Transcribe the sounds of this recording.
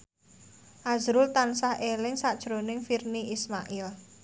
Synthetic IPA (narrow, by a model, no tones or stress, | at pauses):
ʔazɾʊlt̪ansahʔelɪŋsad̥ʒ̥ɾonɪŋfirniʔismaʔɪl